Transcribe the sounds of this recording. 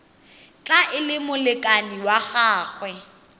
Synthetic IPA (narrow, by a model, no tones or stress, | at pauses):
t͡ɬʼaʔɪlɪmʊlɪkʼaniwaχaːχwɛ